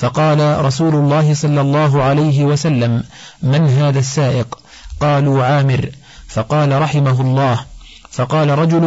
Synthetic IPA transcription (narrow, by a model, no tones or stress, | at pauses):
fɑqɑːlaɾˤɑsuːlʊlˤːɑːɦɪsˤɑlːɑlˤːɑːɦʊʕalajɦɪwasalːamː | anɦaːðaːsːaːʔɪq | qɑːluːʕaːmɪɾ | fɑqɑːlaɾˤɑħɪmaɦʊlˤːɑːhfɑqɑːlaɾˤɑd͡ʒʊl